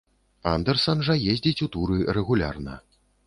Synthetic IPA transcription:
a̰nd̪ɛrsɐnʐɐjezʲd͡zʲit͡sʲut̪uɾɨrɛɣulʲa̰rnɐ̰

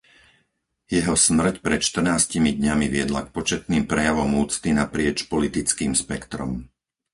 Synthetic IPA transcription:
jɛɦɔsmr̩cpɾɛt̪ʃt̪r̩naːscimid̪ɲamiʋɪɛd̪lakpɔt͡ʃɛt̪̚niːmpɾɛjaʋɔmuːt͡st̪inapɾɪɛt͡ʃpɔlit̪it͡skiːmspɛkt̪ɾɔ̰m

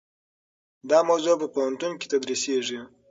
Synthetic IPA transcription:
d̪ɑmawzupəpohant̪unki̥t̪ad̪ɾiseʐi

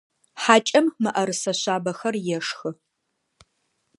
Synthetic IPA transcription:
ħaːt͡ʃʼɐmmɨʔɐɾɨsɐɕaːbɐxɐrjɛʂxɨ

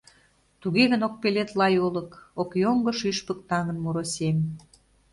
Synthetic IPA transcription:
t̪uɣeɣənok̚pelet̪lɑjolə̆kokjoŋɡə̆ʃyʃpək̚t̪ɑŋə̆nmuɾosʲem

